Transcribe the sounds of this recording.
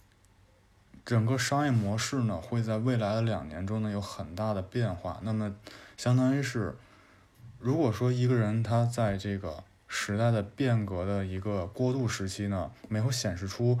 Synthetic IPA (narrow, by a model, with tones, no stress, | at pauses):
ʈ͡ʂɤ˨˩ŋɡə˥˧ʂɑ˥ŋjɛ˥˩mwɔ˧˥ʂɻ̩˥˩nə˩xwe˥˧ɪt͡sa˥˧ɪwe˥˩ɪla˧˥ɪd̪ə˧ljɑ˨˩ŋnjɛ˧˥nʈ͡ʂʊ˥ŋnə˨jo˧˥ʊxə˨˩nt̪a˥˩d̪ə˩pjɛ˥˧nxwa̰˥˩na˥˩mə˩ɕjɑ˥ŋt̪ɑ˥ŋi˧˥ʂɻ̩˥˩ | ɻu˧˥kwɔ˨˩ʂwɔ˥i˧˥ɡə˧ɻə˧˥nt̪ʰa˥t͡sa˥˧ɪʈ͡ʂɤ˥˩ɡə̰˩ | ʂɻ̩˧˥t̪a˥˩ɪd̪ə˩pjɛ˥˩nkɤ˧˥d̪ə˧i˧˥ɡə˧kwɔ˥˧t̪u˥˩ʂɻ̩˧˥t͡ɕʰi˥nə˨me˧˥ɪxo˧˥ɕjɛ˨˩nʂɻ̩˥˩ʈ͡ʂʰu˥